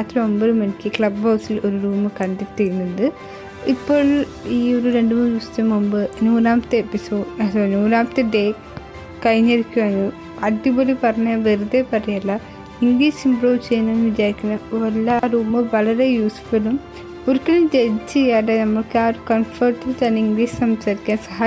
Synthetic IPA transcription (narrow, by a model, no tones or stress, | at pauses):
aːt̪ɾɐmombɐðumɐnikʲːɨkɭɐbbɐwsilo̞ɾuɾuːmɨkɐnd̪it̪ːijnːɐðɨ | ipːoːɭ | iːoɾuɾe̞ɳɖɨmuːniʋɐst̪ːɐmumbɨnuːnaːmɐt̪ːɨepisoːɖɐɐnuːnaːmɐt̪ːɨɖeː | kɐjneɾikʲːuʋɐnɨ | ɐiboːlepɐrɐɲːɐʋeɾud̪epɐrɐjɐlːɐ | iŋɡliːsimbroːʋt͡ɕejːɐnɐnʋid͡ʑaːɾikʲːunːɐʋɐlːɐruːmɨʋɐɭɐɾe̞juːspɐlum | oɾikʲːɐɭumd͡ʑeðt͡ɕːejaːɽenɐmːɐɭkɨaːɾkɐnfɐːrʈːilt̪aːniŋɡliːssɐmɐɐɾikʲːaːnsɐɦaː